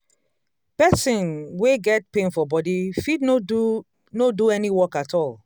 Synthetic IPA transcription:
pɛsĩnweɡɛt̚pẽnfɔbɔdifidn | noduɛniwɔkatʰɔl

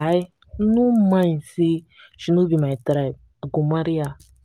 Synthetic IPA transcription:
i | numaĩsi | ʃinubimaitɾa | aɡumaɾija

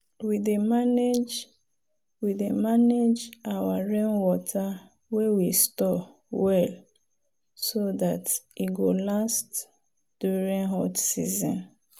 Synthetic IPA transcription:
widemaned͡ʒ | widemaned͡ʒawaɹẽnwɔtʰa | wewistɔ | wɛl | soðatiɡolast | d̥uɹĩŋɦɔtsḭzɔ̃n

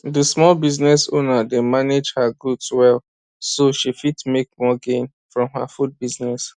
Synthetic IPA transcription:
dəsmɔlbiznɛso̰nademaned͡ʒhaɡudswɛl | soʃifitmek̚mɔɡẽn | fɹɔ̃mha̰fud̚biznɛs

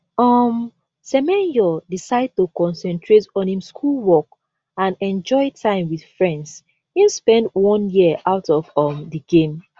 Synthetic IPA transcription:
ɔm | sɛmɛ̃njɔdisaɪd̚tokɔ̃nsɛ̃ntʰɹetɔ̃nhĩmskʰulˠwɔk̚ | ãnɛ̃nd͡ʒɔɪtʰãɪ̃mwið̥fɹɛ̃nds | hĩnspɛ̃ndwɔ̃njiʔaʊtɔvɔmdəɡẽm

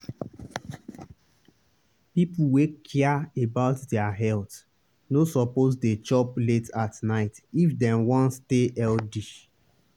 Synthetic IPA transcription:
pipuwekʰiaebaʊtdɛaɦɛlt | nosɔpozdet͡ʃɔpletatnaɪtifdɛ̃mwɔ̃nsteɛldi

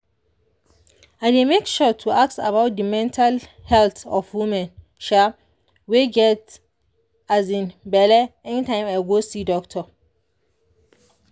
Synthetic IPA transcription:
ãdemekʃɔtʰuak̚ta̰βaʊt̚dəmɛ̃ntʰalhɛltɔ̰fwimɛ̃n | ʃa | weɡɛt | azĩnbɛlɛɛnitʰãɪ̃maɪɡosidɔktʰɔ

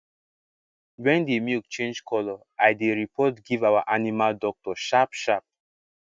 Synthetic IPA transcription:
wɛ̃ndemjuk̚t͡ʃẽnd͡ʒkʰɔlɔ | ajdeɹipʰɔtɡivawaʔanimaldɔk̚tɔʃapʃap̚

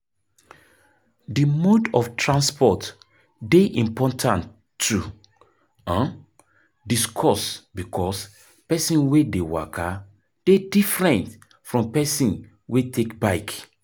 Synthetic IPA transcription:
dimodɔftʰɹãnspɔt | deʔĩmpɔtʰãn | tʰːu | ãn | diskʰɔsbikʰɔs | pɛsĩnwedewa̰kʰa | d̥edifɹɛ̃nt | fɹɔ̃mpɛsĩn | wetʰekbaɪk

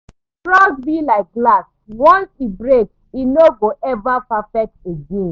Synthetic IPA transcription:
tɹɔɡ̚bilaɪk̚ɡlas | wɔ̃nsibɹeks | inoɡoʔɛvapafɛk̚teɡẽn

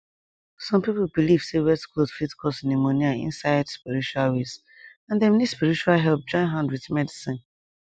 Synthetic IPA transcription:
sɔ̃mpipolbiliv̥sewɛtklodfitkʰɔsĩnemoniaḭ̃nsaɪdspiɹit͡ʃualwes | ãndɛnid̥spiɹit͡ʃualɦɛlp̚d͡ʒɔ̃ɪ̃nɦãndwiðmɛdisĩn

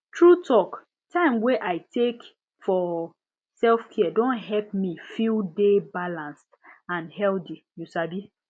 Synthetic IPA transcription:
tʰɹutʰɔk | tʰãɪ̃mweʔaɪtʰek | fɔ | sɛlfkʰɛdõnɦɛlp̚mifildebalãnstãnhɛldijusabi

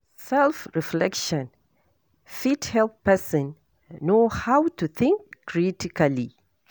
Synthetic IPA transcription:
sɛlˠfɹiflɛkʃɔ̃n | fithɛlppɛsɔ̃nː | ohawtuθɪ̃ŋkːɹitikali

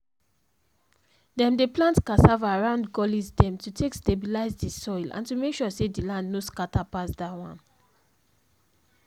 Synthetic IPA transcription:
dɛ̃mdeplãntkasavaɹãʊ̃ndɡɔlizdɛ̃mtutʰekstebilaɪzdisɔjlã̰ntumekʃɔsedilãndnoskatapasdawã̰n

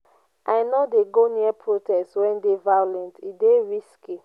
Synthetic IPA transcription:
ajnɔdeɡoniɛpʰɹotɛstwɛ̃ndevajolɛ̃ntideɹiski

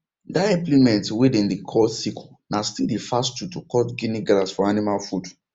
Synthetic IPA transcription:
daɛplimɛ̃ntwidĩndikʰɔsikʰo | nastildifastutukɔtɡiniɡlasfɔanimalfud

